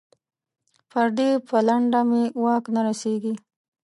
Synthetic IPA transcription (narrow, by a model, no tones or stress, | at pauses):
paɾd̪epəlaɳɖamewɑknaɾaseɡi